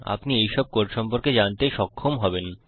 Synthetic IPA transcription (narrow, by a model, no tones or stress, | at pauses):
a̰pniejʃɔb̚koɾʃɔmpoɾked͡ʑant̪eʃɔkʰːomɦɔben